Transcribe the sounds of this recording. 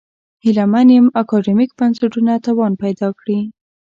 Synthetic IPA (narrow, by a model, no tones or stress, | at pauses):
hɪlamanjɪmakɑɖɪmik̚bansaʈunat̪ɑwɑnpajd̪ɑkɽi